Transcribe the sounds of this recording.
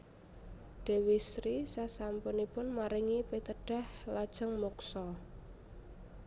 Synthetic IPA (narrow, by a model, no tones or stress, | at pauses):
ɖ̥e̤wisɾisasampʊnipʊnmaɾiŋipet̪əɖ̥a̤hlad̥ʒ̥əŋmuksɔ